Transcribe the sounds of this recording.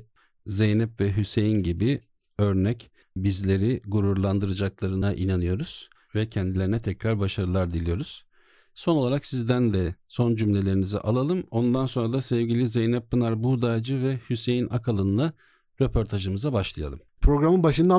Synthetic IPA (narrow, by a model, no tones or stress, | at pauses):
ze̞jnɛpvɛɦyse̞jinɟibi | ø̞ɾnɛc | bizlʲe̞ɾiɡuɾuɾlˠand̪ɯɾɯd͡ʒaklˠaɾɯnaʔinanɯjo̞ɾuz̥ | vɛcʰɛnd̪ilʲeɾinɛt̪ʰɛcɾaɾbaʃaɾɯlˠaɾd̪ilʲijo̞ɾuz̥ | so̞nolˠaɾaksizd̪ænd̪ɛso̞nd͡ʒymlʲe̞lʲe̞ɾinizɛ̰ʔalˠalˠɯmo̞nd̪anso̞nɾad̪asɛvɟilʲizejnɛpːɯnaɾbud̪aːd͡ʒɯvɛhyse̞jinʔakʰalˠɯnɯlˠa | ɾepʰo̞ɾt̪ʰaʒɯmɯzabaʃlˠɯja̰lˠɯmpʰɾo̞ɡɾamɯnbaʃɯnd̪a